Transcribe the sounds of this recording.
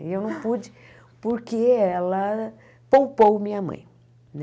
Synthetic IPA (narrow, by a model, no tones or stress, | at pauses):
ɪewnɐ̃w̃pud͡ʒɪ | poɾkeɛlɐ | powpowmĩɲɐmɐ̰̃j̃ | n